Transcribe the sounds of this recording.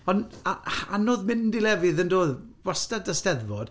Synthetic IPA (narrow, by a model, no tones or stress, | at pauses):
ɔnaha̰nɔðmɪndilɛvɨðəndoːðwastadəstɛðvɔd̥